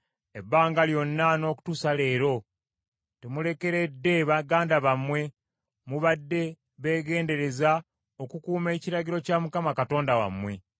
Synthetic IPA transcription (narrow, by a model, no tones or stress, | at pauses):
e̞bːaːŋɡaljo̞nːano̞ːku̥tusale̞ːɾo̞ | temule̞ke̞ɾe̞dːe̞βaɡaːndaβamwe̞ | muβadːe̞ | βe̞ːɡe̞ːnde̞ɾe̞za | o̞kukuːme̞ːciɾaɟiɾo̞camukamakato̞ːndawa̰mwe̞